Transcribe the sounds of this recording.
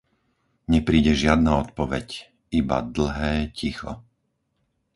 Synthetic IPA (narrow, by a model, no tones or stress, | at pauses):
ɲɛpɾiːɟɛʒɪad̪̚naɔt̪pɔʋɛc | iba̰d̪l̩ˠɦɛːcʰixɔ̰